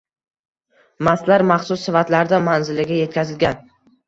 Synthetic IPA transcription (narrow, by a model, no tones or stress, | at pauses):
mast̪laɾmaχsʊsːɪfat̪laɾd̪amanzɪlɪɡʲaje̞t̪̚kʲʰazɪlɡʲan